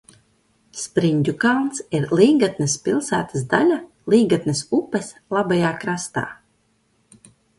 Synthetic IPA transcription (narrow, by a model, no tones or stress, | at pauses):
spɾiɲʲd̪ʲukalˠnsiɾlˠiːɡat̪nɛspilˠsæ̰ːt̪asd̪alʲa | lˠiːɡat̪nɨsupɛsʲ | lˠabajaːkɾast̪a̰ː